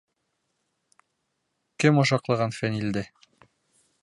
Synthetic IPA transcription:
kɘmŏʃɑqlˠɤ̆ʁɑnfænild̪ɘ

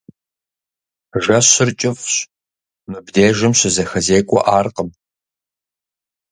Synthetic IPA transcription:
ʒɐɕɪrt͡ʃʼɪfɕ | mɨbdeːʒɨmɕɪzɐxɐzeːkʷʼɔ̰ʔaːrqəm

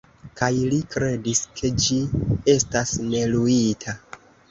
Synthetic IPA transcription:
kajlikɾe̞diskʰe̞d͡ʒie̞stasne̞luitʰa

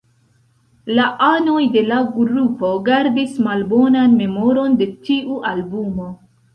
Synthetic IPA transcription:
laʔano̞jde̞laɡɾupo̞ɡaɾdismalbo̞nanme̞mo̞ɾo̞nde̞tiʔuʔalbumo̞

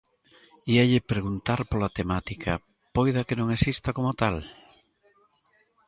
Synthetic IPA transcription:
iaʎɪpɾeɣunt̪aɾpolat̪emat̪ikʰɐ̰ | pojðɐkenõŋesist̪akomot̪al

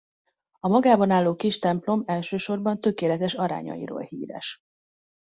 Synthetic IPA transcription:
ɒmɒɡaːbɒnaːlːoːkiʃt̪ɛmplo̞mɛlʃøːʃo̞rbɒnt̪ø̞keːlɛt̪ɛʃɒɾa̰ːɲɒ̰jḭɾo̰ːlhḭːɾɛ̰ʃ

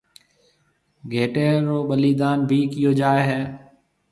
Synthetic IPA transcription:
ɡʱeːʈeːɾoːɓəliːd̪aːnbʱiːkɪjoːd͡ʒaːeːɦɛː

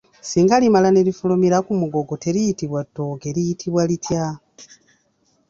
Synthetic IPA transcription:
siːŋɡalimalane̞lifulumiɾakumuɡo̞ɡo̞te̞ɾijitiβwatːo̞ɡe̞ɾijitʰiβwalitja

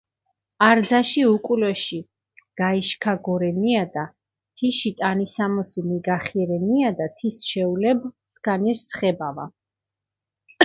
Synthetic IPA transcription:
aɾd̪zaʃiukʼulɛʃi | ɡ̥aiʃkʰaɡɔɾɛniad̪a | t̪ʰiʃit̪ʼanisamɔsimiɡaχiɛɾɛniad̪at̪ʰisʃɛulɛb | skʰaniɾsχɛbava̰

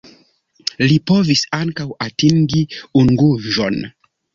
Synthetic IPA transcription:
lipo̞visaŋkawatiŋɡiuŋɡuʒo̞n

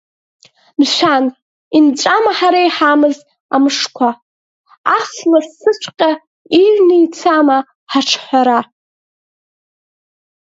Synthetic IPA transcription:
mʃʷᶣan | int͡ʃʷʼamaħaɾajħamɨz | amɨʂkʷʰa | aslasːɨt͡ʃʷʰqʲʼa | iɥnɨit͡sʰama | ħaʈ͡ʂʰħʷaɾa

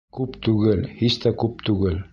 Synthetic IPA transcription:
kupt̪ʉɡɘlhist̪ækup̚t̪uɡɘ̆l

